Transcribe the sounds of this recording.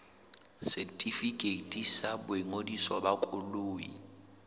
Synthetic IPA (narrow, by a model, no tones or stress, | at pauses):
sɛtʼifikʼetʼisabʊɛŋodiswɔbakʼʊloːi